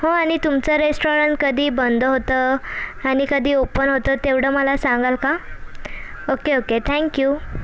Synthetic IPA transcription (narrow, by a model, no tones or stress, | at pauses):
ɦoaɽ̃it̪umt͡səɾesʈoɾəɳʈ̚kəd̪ʱiːbənd̪ʱəɦot̪əaɽ̃ikəd̪ʱiːopənɦot̪ət̪eʋɽəməlasãŋɡalka | okeoket̪ʰɛ̃ŋkjuː